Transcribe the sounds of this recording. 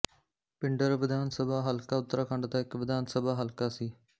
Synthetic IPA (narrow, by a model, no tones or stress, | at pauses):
pɪɳɖəɾʋɪd̪aːnsəbaːɦəlkaːʊt̪ːɾaːkʰəɳɖd̪aːɪkʋɪd̪ʱaːnsəbaːɦəlkaːsiː